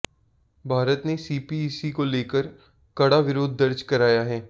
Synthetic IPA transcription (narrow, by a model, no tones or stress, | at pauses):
bʱaːɾət̪nesiːpiːsikoleːkəɾ | kɐɽaʋɪɾoːd̪̚ːəɾd͡ʒkɐɾaːjaɦɛː